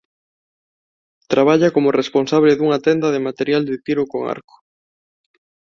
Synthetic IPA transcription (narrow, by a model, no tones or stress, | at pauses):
t̪ɾaβ̞aʎakomoresponsaβlɪðuŋat̪ɛnd̪ɐðemat̪eɾjald̪et̪iɾʊkoŋa̰ɾko̥